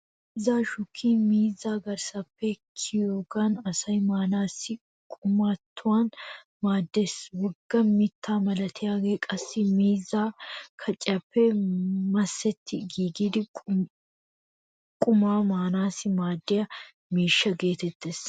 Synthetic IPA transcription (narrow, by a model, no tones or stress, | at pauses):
mː | ɪzaːʃʊkʰːiːmiːzːaːɡɐɾsɐpːɛkʰɪjoːɡaːnɐsɐjmaːnaːsɪ | kʼʊmaːt̪ʰːʊwaːn | maːd̪ːe̞ːswɔɡːɐmɪt̪ʰːaːmɐlɐt̪ʰɪjaːɡe̞ːkʼɐsːɪmiːzːaːkʰɐt͡ʃʼɪɐpːɛmɐsːɛt̪ʰːɪɡiːɡiːd̪ɪ | kʼʊmaːmaːnaːsɪmaːd̪ːɪjɐ | miːʃːɐɡe̞ːt̪ɛt̪ːeːs